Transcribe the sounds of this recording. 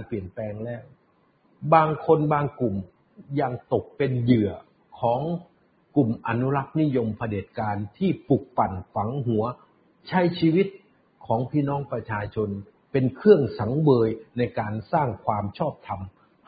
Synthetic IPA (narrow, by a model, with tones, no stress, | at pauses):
npi˨˩ənpɛː˧ŋlɛː˦˥˩w | baː˧ŋkʰo˧nbaː˧ŋklu˨˩m | ja˧ŋt̪o˨˩k̚pe˧njɯ˨˩ə | kʰɔː˩˦ŋ | klu˨˩mʔa˧nu˦˥la˦˥k̚ni˦˥jo˧mpʰa˧deː˨˩t̪̚kaː˧nt̪ʰiː˥˩pu˨˩k̚fa˨˩nfa˩˦ŋɦu˩˦ɐ | t͡ɕʰa˦˥jt͡ɕʰiː˧wi˦˥t̪̚ | kʰɔː˩˦ŋpʰiː˥˩nɔː˦˥ŋpɾa˧t͡ɕʰaː˧t͡ɕʰo˧n | pe˧nkʰɯ˥˩əŋsa˩˦ŋbɤː˧jna˧jkaː˧nsaː˥˩ŋkʰwaː˧mt͡ɕʰɔː˥˩p̚t̪ʰa˧m